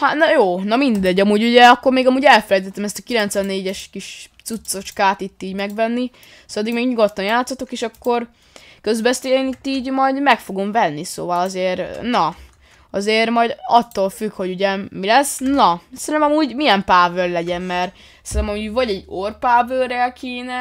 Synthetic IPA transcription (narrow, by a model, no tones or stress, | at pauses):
hat̪nɒjoːnɒmind̪ɛɟɒmuːɟuɟɛɒkːo̞rmeːɡɒmuːɟɛlfɛlɛjt̪ɛt̪ːɛmɛst̪ɒkilɛnt̪sʋɛnːeːɟɛʃkiʃt̪sut̪sːo̞t͡ʃkaːt̪it̪ːiːɟmɛɡvɛnːi | sɒd̪ːiɡmeːɡɲuɡo̞t̪ːɒnjaːt̪sːot̪okeːʃɒkːo̞r | køzbɛst̪eːenit̪ːiːɟmɒjd̪mɛkfo̞ɡo̞mvɛnːiso̰ːvɒlɒzeːrnɒ | ɒzeːrmɒjd̪ɒt̪ːoːlfykho̞ɟuɟɛmilɛsːnɒsɛnt̪ɛmɒmuːɟmijɛmpaːvørlɛɟɛnmɛr | sɛɾt̪ɛmɒmivɒɟɛɟːorpaːvørɛlkʰeːnɛ